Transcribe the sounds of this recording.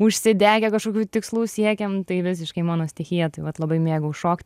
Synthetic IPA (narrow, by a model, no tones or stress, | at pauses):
ʊʃʲsʲɪd̪ʲæːɡʲɛkɐʃkoːkʲuːt̪ʲɪkslˠuːsʲiɛkʲɛmt̪ɐɪʋʲɪs̬ʲɪʃkɐɪmɑːnoːsʲt̪ʲɛxʲijɛt̪ɐɪʋɐt̪lˠɐbɐɪmʲeːɡʊʃoːkt̪ʲ